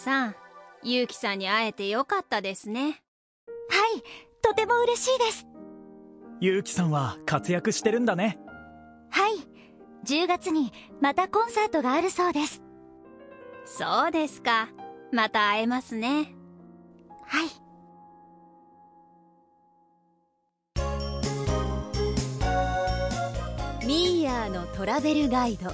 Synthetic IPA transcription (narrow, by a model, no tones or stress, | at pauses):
sãjɯːkʲi̥sãɲ̟ːiae̞t̪e̞jo̞kat̪ːad̪e̞sɨne̞ | hait̪o̞t̪e̞mo̞ɯ̟ɾe̞ɕiːd̪e̞sɨ̥ | jɯ̟ːkʲi̥sãɰ̃βakat͡sɨjakɯ̟ɕi̥t̪e̞ɾɯ̟̃nd̪ane̞ | hai | d͡ʑɨːɡat͡sɨɲ̟imat̪akõ̞ɰ̃sat̪o̞ɡaːɾɯ̟so̞ːd̪e̞sɨ̥ | so̞ːd̪e̞sɨ̥kamat̪aːe̞masɨne̞ | hai | mʲijaːno̞t̪o̞ɾabe̞ɾɯ̟ɡaid̪o̞